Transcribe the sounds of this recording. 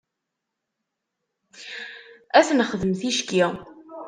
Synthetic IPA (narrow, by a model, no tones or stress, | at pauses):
æθnχəðəmθiʃki